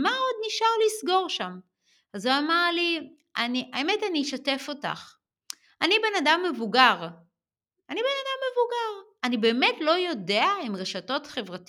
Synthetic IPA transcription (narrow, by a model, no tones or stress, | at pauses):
maʁo̞d̚niʃaʁlisɡo̞ʁʃam | azuamaʁli | ʔaniʔaemetaniʃate̞fo̞ta̰χ | anibe̞nadamːe̞vuɡaʁ | anibe̞nadamːe̞vuɡaʁ | anibe̞ːme̞tlo̞jo̞de̞aimʁeʃato̞tχe̞vʁat